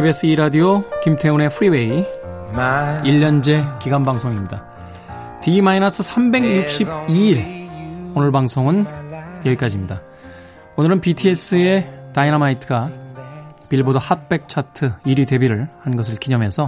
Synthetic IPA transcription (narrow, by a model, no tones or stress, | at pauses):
ebiesʰɯiɾadiokimtʰe̞une̞pʰɯɾiwe̞i | iʎːʌnd͡ʑe̞kiɡanbaŋsʰoŋimɲida | timainasʰɯsʰambe̞ɡjuk̚ɕ͈ib̚iiɭ | onɯɭbaŋsʰoŋɯnjʌik͈ad͡ʑimɲida | onɯɾɯnpitʰie̞s͈ʰɯe̞tainamaitʰɯɡa | piɭbodʌhat̚p͈e̞k̚t͡ɕʰatʰɯiɾite̞biɾɯɭhanɡʌs̬ʰɯɭkiɲʌmje̞sʰʌ